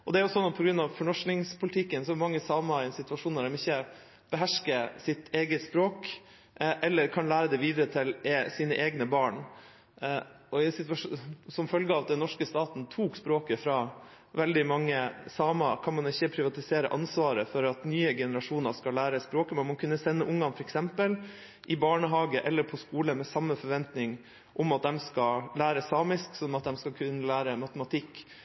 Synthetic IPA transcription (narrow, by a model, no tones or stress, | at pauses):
ʔɔd̪ɛæɾjʊsɔnːɔt̪̚pʰɔɡɾʉnːɑʋfɔɳɔʂnɪŋspʰʊlt̪ʰɪkːənsɔmɑŋːəsɑːmɑɪɛnsɪt̪ʋɑʂuːnɑɖɛmɪçːə | b̥əɦæʂkəsɪt̪ʰeːɡəspɾoːk | ʔɛlːəɾkʰɑnlæːɾəd̪ɛʋiːd̪ɾət̪ʰɪlsiːnəʔeːɡnəbɑːɳ | ɔɪsɪt̪ʋɑʂsɔmfœlɡəɑʋd̪ɛnːɔʂkəst̪ɑːt̪n̩t̪ʰuːkspɾoːkəfɾɑ | ʋɛld̪ɪmɑŋːəsɑːmɑkʰɑnmɑnɪçːəpʰɾɪʋɑt̪ɪseːɾə̰ʔɑnsʋɑːɾəfɔɾɑt̪nyːəɡɛnəɾɑʂuːnɑʂkɑlːæːɾəspɾoːkəmɛnmɑnkʰʉnːəsɛnːəʔʊŋːɑnfɔɾɛksɛmpəl | ʔɪbɑːɳəɦɑːɡəʔɛlːəɾpʰɔskuːləmɛsɑmːəfɔɾʋɛnt̪nɪŋ | ʔɔmɑt̪̚d̪ɛmskɑlæːɾəsɑːmɪsksɔmɑt̪̚d̪ɛmskɑkʰʉnːəlæːɾəmɑt̪əmɑt̪ʰɪkː